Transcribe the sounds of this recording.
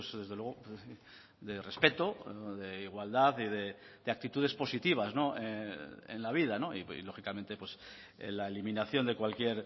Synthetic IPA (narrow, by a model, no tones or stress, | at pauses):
sðe̞zðelwe̞ɣo | d̪e̞re̞spe̞t̪oðe̞iɣwald̪aθiðe̞d̪eak̚t̪it̪uðe̞spo̞sit̪iβ̞azno̞eḛnlaβ̞ið̞ano̞ḭḭlo̞xikamẽ̞nt̪e̞pwe̞s | ḛlaelimĩnaθjo̞nd̪e̞kwalkje̞ɾ